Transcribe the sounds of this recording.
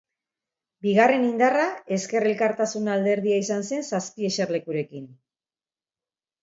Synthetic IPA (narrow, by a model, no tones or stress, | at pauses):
biɣ̞are̞nind̪arae̞ske̞re̞lkaɾt̪asunald̪e̞ɾð̞iaisanse̞nsaspie̞ʃeɾle̞kuɾe̞kin